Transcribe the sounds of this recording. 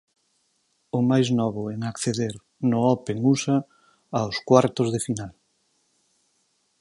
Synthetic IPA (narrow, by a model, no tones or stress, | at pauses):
ʊmajznɔβʊɛŋakθeðeɾ | nʊɔpeŋusa | awskwaɾt̪ʊzðɪfinal